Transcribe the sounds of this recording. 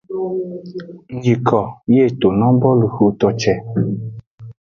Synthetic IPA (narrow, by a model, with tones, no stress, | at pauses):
ŋ̩˦d͡ʒi˨kʰɔ˨je˦˨to˨nɔ̃˦bɔ˦lu˨xu˨t̪ɔ˧t͡ʃɛ˨